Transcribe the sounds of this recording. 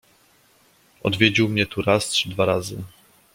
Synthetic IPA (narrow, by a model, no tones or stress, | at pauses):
ɔ̰d̪vʲjed͡ʑiwmɲɛt̪uɾastʂɘd̪vaɾazɘ̰